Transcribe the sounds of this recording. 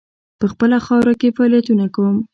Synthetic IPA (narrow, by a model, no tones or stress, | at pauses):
pəxpəlaxɑwɾakefɑːlijat̪unakawəm